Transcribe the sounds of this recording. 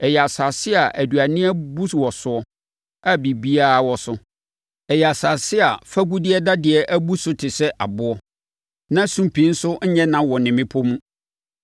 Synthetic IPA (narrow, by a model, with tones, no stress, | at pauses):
ɛ˨jɛ˨a˨sa˨sɪ˦a˨ʔæ˨du˨a˨nɪ̃˦ɛ˦bu˦wɔ˨sʊ˨ɔ˦ | a˦bi˨bi˦a˦˨wɔ˨sʊ˦ | ɛ˨ja˨sa˨sɪ˦a˨fa˦ɡu˦dɪ˦ɛ˦da˦dɪ˨ɛ˨ʔæ˦bu˦sʊ˦tʰɪ˨sɛ˦ʔa˨bʊ˦ɔ˦ | nã˦sũ˦mpʰĩ˨˦n̩˦sʊ˦ɲ̩˦ɲɛ̃˦nã˦wɔ˨nɪ̃˨mɪ̃˦pʰɔ˦mũ˦